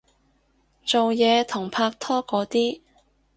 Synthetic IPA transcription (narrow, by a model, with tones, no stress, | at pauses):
t͡so˨wjɛː˨˧t̪ʰʊ˨˩ŋpʰaː˧k̚t̪ʰɔː˥kɔː˨˥t̪iː˥